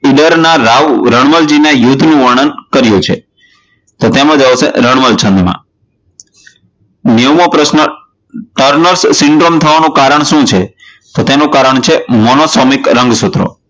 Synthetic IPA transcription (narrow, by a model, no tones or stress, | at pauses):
iɖəɾnaɾaʋwɾəɳ̃məld͡ʒinejud̪ʱnũʋəɳənkəɾjũt͡ʃʰe | t̪ot̪emə̃d͡ʒaʋsḛɾəɳ̃məlt͡ʃʰə̃nd̪mã̰ | nimopɾəsnə | ʈəɾnəɾsːɪɳɖɾomt̪ʰəʋanũkaɾəɳ̃ʃũt͡ʃʰe | t̪ot̪enũkaɾəɳt͡ʃʰemɔnosɔmikɾə̃ŋɡsut̪ɾo̰